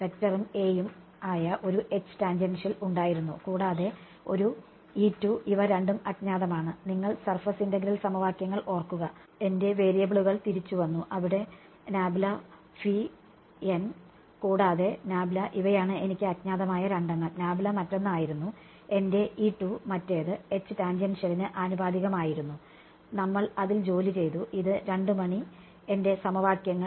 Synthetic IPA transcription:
pe̞ktːɐrumeːjum | aːjɐʔo̞ɾuʔe̞t͡ɕːɨ̥taːɲd͡ʑenʂiluɳɖaːjiɾunːukuːɽaːðe̞ | o̞̰ɾu | iːtːuiʋɐɾeɳɖumɐtɲaːðɐmaːɳɨniŋːɐɭsɐrfɐsindɐɡɾɐlsɐmɐʋaːkjɐŋːɐɭʔo̞ːrkːuɣɐ | e̞nde̞ʋe̞ːɾijɐbiɭuɣɐɭt̪iɾit͡ɕːuʋɐnːuʔɐʋiɽe̞ | naːbilɐ | fi | en | kuːɽaːðe̞naːbilɐʔiʋɐjaːɳɨe̞nikʲːɨɐt̪̚ɲaːðɐmaːjɐɾɐɳɖɐŋːɐɭnaːbilɐmɐtːo̞nːaːjiɾunːu | e̞nde̞iːʈːumɐtːe̞ːðɨe̞t͡ɕːɨtaːnd͡ʑɐnɕeɻinːɨʔaːnubaːd̪iɣɐmaːjiɾunːu | nɐmːɐɭɐðild͡ʑo̞ːlit͡ɕe̞jðuʔiðɨɾe̞ɳɖɨmɐɳi | e̞nde̞sɐmɐʋaːkjɐŋːɐ

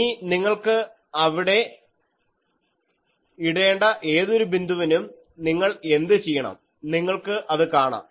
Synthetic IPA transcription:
iniŋːɐɭkɨ | ɐʋiɽe̞ | iɽe̞ːɳɖɐʔe̞ːðo̞ɾubind̪ʱuʋɐnum | niŋːɐɭe̞nd̪ɨt͡ɕejːɐɳɐ̰m | niŋːɐɭkɨʔɐðɨkaːɳa̰ːm

